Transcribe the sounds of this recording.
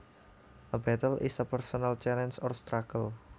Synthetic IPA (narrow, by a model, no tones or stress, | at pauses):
ʔəbɛt̪əlʔḭsapɛrsɔnalt͡ʃɛlɛnsɔrst̪ɾakəl